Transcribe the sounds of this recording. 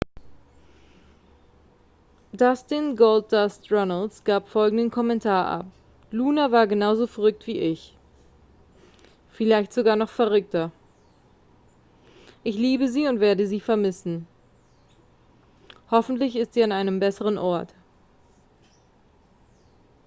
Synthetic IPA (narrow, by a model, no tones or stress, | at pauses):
d̥astɪnɡolt̚d̥astʁɔnəlsɡ̥aːpfɔlɡŋ̩dənkʰɔmɛntʰaːɐʔa̰p | luːnavaːɐɡənaʊzofɛɐʁʏk̚tv̥iːʔɪç | fɪlaɪçtz̥oɡaːɐnɔχfɛɐʁ̞ʏk̚tɐ | ʔɪçliːbəziːʊntv̥eːɐdəziːfɛɐmɪsn̩ | hɔfn̩tlɪçɪstz̥iːanaɪnəmbɛsəʁ̞ənʔɔɐt